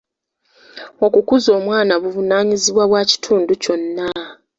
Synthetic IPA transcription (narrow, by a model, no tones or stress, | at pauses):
o̞kukuzo̞ːmwaːnaβuvunaːɲiziβwaβwaːci̥tʰuːnduco̞nːa